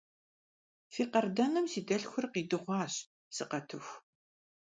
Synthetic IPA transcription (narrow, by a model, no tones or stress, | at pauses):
fiːqɐrdɐnɨmsiːdɐɬxʷʊrqiːdɨʁʷɑːɕ | sɨqɐtʰɨxʷ